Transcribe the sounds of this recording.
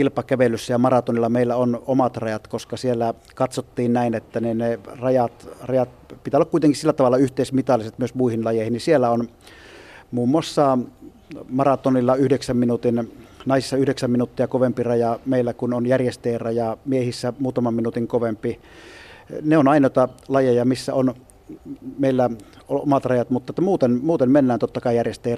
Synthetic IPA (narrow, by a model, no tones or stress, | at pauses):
ilpɑkæʋelːˑysːæjɑmɑrɑt̪onilːɑmeˑilːæonomɑt̪rɑjɑt̪koskɑsielːæ | kɑt̪sot̪ːiːnnæˑinet̪ːæninerɑjɑt̪rɑjɑt̪̚pit̪ælːɑkuit̪eŋkissilːæt̪ɑʋɑlːˑɑyht̪ˑeˑismit̪ɑlːˑiset̪myøsmuihinlɑjeˑihinisielːæon | muːmːoɑsːɑ | mɑrɑt̪onilːɑyhdeksæmminut̪innɑˑisisːɑyhdeksæmminut̪ːiɑkoʋempirɑjɑmeˑilːækunonjærjest̪eˑːrɑjɑmiehisːæmuːt̪ɑmɑmminut̪iŋkoʋempi | neonɑˑinˑoˑit̪ɑlɑjejɑmisːæ̰on | meˑilːæoʔo̰mɑt̪rɑjɑt̪mut̪ːɑˑet̪ːæmuːt̪enmuːt̪emmenːæːnt̪ot̪ːɑkɑˑijærjest̪ˑeˑː